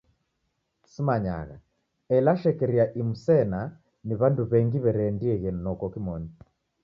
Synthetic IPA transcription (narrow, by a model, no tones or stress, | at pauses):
simaɲa̰ɣa̰ | ɛlaʃɛkɛɾiaʔimusɛna | niβanduβɛŋɡiβɛɾɛːndiɛɣɛnnɔkɔkimɔni